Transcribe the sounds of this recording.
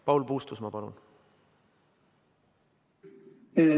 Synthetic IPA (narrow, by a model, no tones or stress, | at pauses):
pɑwlpuːst̪usmɑpɑlṵn | e